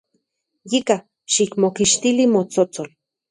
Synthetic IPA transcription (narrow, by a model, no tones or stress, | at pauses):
jika | ʃikmokiʃt̪ilimot͡sot͡sol